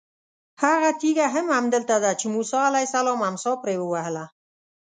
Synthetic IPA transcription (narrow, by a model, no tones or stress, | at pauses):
haɣat̪iɡaɦamamd̪əlt̪ad̪at͡ʃemusɑalajsalɔmamsɔpɾewəwahla